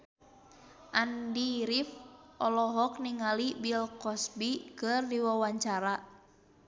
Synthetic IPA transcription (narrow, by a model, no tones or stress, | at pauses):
ʔandiɾifɔlɔɦɔk̚niŋalibilkɔsbikɨrdiwawaɲt͡ʃaɾa